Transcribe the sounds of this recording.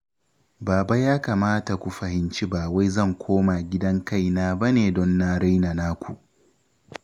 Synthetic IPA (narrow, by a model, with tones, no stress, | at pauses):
baː˨ba˦jaː˦kaː˨maː˦ta˨kʷu˨ɸɐ˨hɪ˨nt͡ʃi˦baː˨wa˦jzɐ˦˨ŋkʷʰoː˦ma˨ɡʲɪ˦dɐ˦ŋka˦˨jnaː˦ba˦neː˨dɔ˦nːa˦ɽa˦jna˨naː˦kʷu˨ʔ